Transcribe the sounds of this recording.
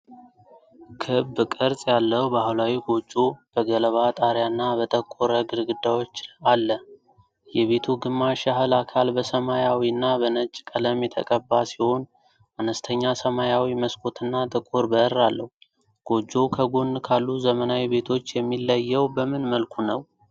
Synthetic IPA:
kʰɨbkʼɨɾsʼjalːəhbahlawiɡo̞d͡ʒːo̞b̥əɡələβat̪ʼaɾjanːabət̪ʼəkʼːoɾəɡɨɾɡɨd̪ːawo̞t͡ʃːalːə | jɛβe̞t̪ʰuɡɨmːaʃahɨlakʰalbəsəmajawiɨnːabənət͡ʃʼːkʼələmjɛt̪ʰə̰kʼəbːasiho̞n | anəst̪ʰəɲːasəmajawiməskʰo̞t̪ʰɨnːat̪ʼəkʼoɾbəɾːalːəhu | ɡ̥o̞d͡ʒːo̞kʰəɡonkʰalːuzəmənawibe̞t̪ʰo̞t͡ʃːjɛmːilːəjːɛwbəmɨnməlkʰunəw

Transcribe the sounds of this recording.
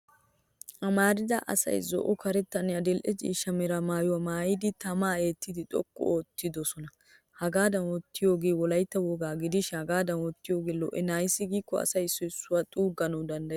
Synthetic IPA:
ʔɐmaːɾɪd̪ɐʔɐ̰sɐ̰jzɔ̰ʔɔkɐɾɛt̪ːɐnɪjɐd̪ɛlʔɛd͡ʒḭːʃɐmɛɾɐmaːjʊwɐmaːjɪd̪ɪt̪ɐmaːe̞ːt̪ːɪd̪ɪt̪ʼɔ̰kːɔ̰oːt̪ːɪd̪ɔsɔnɐ | hɐɡaːd̪ɐnwɔt̪ːɪjo̞ːɡeːwɔlɐjt̪ːɐwɔɡaːɡɪd̪ɪʃɪhɐɡaːd̪ɐnwɔt̪ːɪjo̞ːɡeːlɔ̰ʔɛnaːjsɪɡiːkːɔɐ̰sɐjsɔɪsːʊwat̪ʼuːɡɐnɔwd̪ɐnd̪ɐ

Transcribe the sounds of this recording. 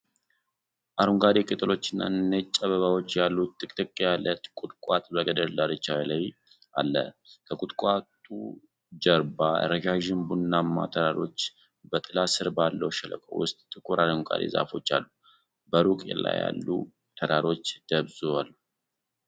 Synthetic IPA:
ʔaɾuŋɡad̪ekʼɨt̪ʼɨlo̞t͡ʃːɪnːa̰nːet͡ʃʼːəβəβawo̞t͡ʃːjalːut̪ːɨkʼt̪ʼɨkʼːjalːət̪kʼʊt̪ʼkʼat̪ʼbəɡəd̪əld̪aɾɨt͡ʃːajɛlaj | a̰lːə̰kʰəkʼut̪ʼkʷʼat̪ʼu | d͡ʒəɾbaɾəɡaʒɪnbunːamːa̰t̪ʰəɾaɾo̞t͡ʃː | bət̪ʼɨlasɨɾbalːəwʃɛlə̰kʼəwʊ̰st̪ʼt̪ʼːɨkʰʼuɾʔaɾŋɡa̰d̪ḛza̰fo̞t͡ʃːa̰lːu | bəɾukʼḛla̰ja̰lːṵ | t̪ʰəd̪aɾo̞t͡ʃːd̪̥əβzualːu

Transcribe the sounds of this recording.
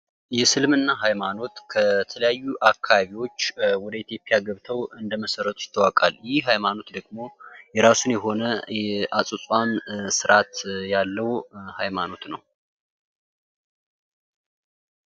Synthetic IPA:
jɛsɨlmɨnːaɦajmano̞t̪kʰət̪ʰələjajːuʔakʰːaβaβiwo̞t͡ʃːwɔd̪əit̪ʰjo̞pʼijaɡəβt̪ʰəwɨnd̪əməsəɾːət̪ʰujɪ̥t̪ʰːəwakʼa̰ljɪhɦajmano̞t̪d̪əɡmo̞jɛɾasunjɛɦo̞nəʔasʼusʼwansɨɾʔat̪jalːəwhajmano̞t̪nə̰w

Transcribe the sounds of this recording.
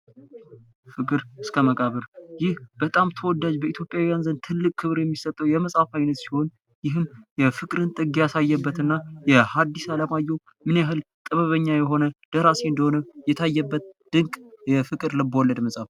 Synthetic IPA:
fɨkʼɨɾɨskʰəməkʼaβəɾjɪhb̥ət̪ʼamt̪ʰəwɔd̪ad͡ʒbəit̪ʰjo̞pʼjawijanzənt̪ʰɨlːɨkʼkʰːɨβɾjɛmːisət̪ʼːəwjɛməsʼafajnət̪si̥ho̞n | jɪɦɨmjɛfɨkʼɾɨnt̪ʼɨɡjasajːɛbːət̪ɨnːajɛhad̪ːisaləmajːɛw | mɨnjaɦɨl | t̪ʼəβəβəɲːajɛɦo̞nəd̪̥əɾaseɨnd̪əho̞nəjɛt̪ʰajːɛbːət̪̚d̪̥ɨŋkʼjɛfɨkʼɨɾlɨbəwɔlːəd̪məsʼaf

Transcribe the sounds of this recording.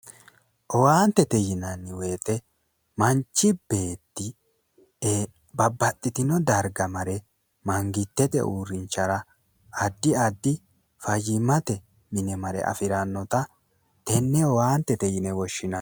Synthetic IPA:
ʔɔwaːnt̪ːɛt̪ɛjɪnɐnːɪwe̞ːt̪ɛ | mɐnt͡ʃːɪb̥e̞ːt̪ːɪ | bɐbːɐt̪ʼːɪt̪ɪnɔd̪ɐɾɡɐmɐɾɛ | mɐŋɡɪt̪ːɛt̪ɛ̰ʔuːɾɪnt͡ʃːɐɾɐː | d̪ːɪɐd̪ːɪ | fɐjɪmɐt̪ɛ | mɪnɛmɐɾɛ̰ʔɐ̰fɪɾɐnːɔt̪ɐ | t̪ɛnːɛɔwaːnt̪ːɛt̪ɛjɪnɛwɔʃːɪnɐ

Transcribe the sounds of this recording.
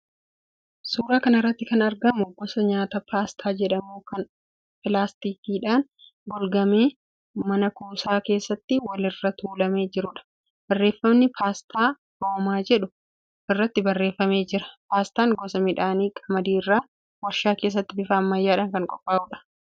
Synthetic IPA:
suːɾaːkɐnɪrːɐt̪ːɪkɐnɐɾɡɐmʊɡɔsɐɲaːt̪ɐpaːst̪ʰaːd͡ʒɛᶑɐmuːkɐn | pɪlaːst̪iːkiːᶑaːn | ɡɔlɡɐmeː | mɐnɐkuːsaːke̞ːsːɐt̪ːɪwɐlɪrːɐt̪uːlɐme̞ːd͡ʒɪɾʊᶑɐ̥ | b̥ɐrːeːfːɐmnɪpʰaːst̪ʰaː | hoːmaːd͡ʒɛᶑʊ | ʔɪrːɐt̪ːɪbɐrːe̞ːfːɐme̞ːd͡ʒɪɾɐ̥paːst̪aːŋɡɔsɐmɪᶑaːniːkʼɐmɐd̪iːrːaː | wɐɾʃaːke̞ːs̬ːɐt̪ːɪbɪfaːmːɐjːaːᶑaːŋkɐŋkʼɔpʼːaːʔuːᶑɐ̥

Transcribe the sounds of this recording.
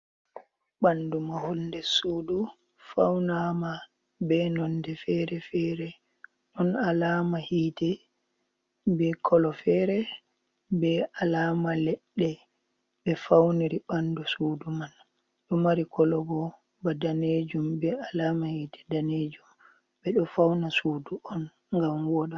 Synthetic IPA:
ɓandumaholdɛsuːdu | fa̰wnama | bɛnɔndɛfɛɾɛfɛɾɛ | ɗɔnalaːmahitɛ | bɛkʰɔlɔfɛɾɛ | bɛʔalaːmalɛɗːɛ | bɛfawniɾiɓandɔsuːduman | ɗɔmaɾikɔlɔɡɔ | badaned͡ʒumbɛalaːmahitʰɛ̥daned͡ʒum | bɛɗɔfawnasuːduʔɔn | ŋɡamwɔɗa

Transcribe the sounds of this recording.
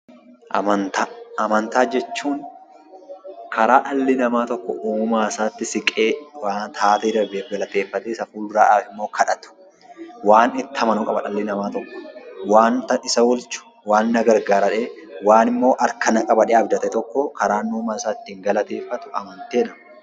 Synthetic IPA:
ʔɐmɐnt̪aɐmɐnt̪aːd͡ʒɛt͡ʃːuːŋ | kʰɐɾaːᶑɐlːɪnɐmaːt̪ɔkːɔ̰ʔuːmaːɪsaːt̪ːɪsɪkʼeːwaːt̪ʰaːt̪ed̪ɐbeːɡɐlɐt̪e̞ːfːɐt̪eːɪsɐfuːld̪ʊɾaːᶑaːfɪmːoːkʰɐᶑɐt̪ʊ̥ | waːnɪt̪ːɐmɐnʊkʼɐbɐᶑɐlːɪnɐmaːt̪ɔkːɔ̥waːnt̪ɐɪsɐwɔlt͡ʃʊ̥ | waːnːɐɡɐɾɡaːɾɐᶑeːwaːnɪmːo̞ːʔɐɾkɐnɐkʼɐbɐᶑeːɐbd̪ɐt̪ɛt̪ɔkːɔkɐɾaːnːuːmaːɪsaːɪt̪ːɪŋɡɐlɐt̪e̞ːfːɐt̪ʊʔɐ̰mɐnt̪eːnɐmɐ

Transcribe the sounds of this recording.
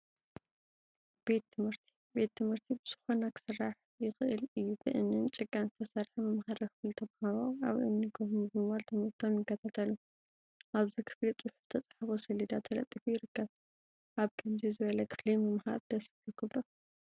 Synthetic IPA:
b̥e̞t̪ʰːɨmhɨɾt̪ʰi̥be̞t̪ːɨmhɨɾt̪ʰibɨz̥ɨxo̞nakʰɨ̥sɨrːaħ | jɪxɨʔɨlɨjːubɨʔɨnːɨnt͡ʃʼɨɡʼːanzɨt̪ʰɐsɐɾħumɐmhaɾɐkʰɨflit̪ʰɐmhaɾoaβʔɨ̰nːikʰobɨmɨβalt̪ʰɨmhɨɾt̪ʰomjɪkːɐt̪ʰat̪ʰɐlu | ʔaβzikʰɨ̥flit͡sʼʊħu̥ft̪ʰɐt͡sʼḁħbosɐlid̪at̪ʰɐlɐ̰t̪ʼːifujɪɾɨkʰːɐβ | ʔaβkʰɐmzizɨβɐlɐkʰɨ̥flimɐmha̰ɾd̪̥ɐsfit̪ʰukʰɨβɾo

